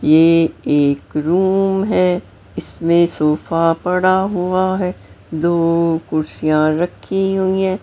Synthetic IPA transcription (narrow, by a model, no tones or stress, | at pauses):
jeːeːkɾuːmɦɛː | ɪsmẽsoːfapɐɽaɦuaɦɛː | d̪oːkʊɾsijãɾɐkʰːiɦuiɦɛ̃ː